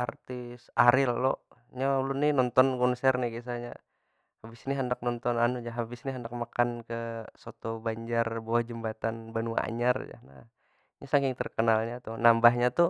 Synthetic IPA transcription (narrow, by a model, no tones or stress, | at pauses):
art̪ɪsaɾɪlːɔʔɲaulunɪnɔnt̪ɔnɡɔnsɛrnɪɡisaɲa̰ | habɪsniɦəndak̚nɔnt̪ɔnanud͡ʒaɦabɪsniɦəndak̚makankəsot̪ɔbaɲd͡ʒarbawahd͡ʒəmbat̪anbanua̰a̰ɲard͡ʒa̰na̰h | ɲasaŋkɪŋt̪ərkənalɲat̪unambaɦɲat̪u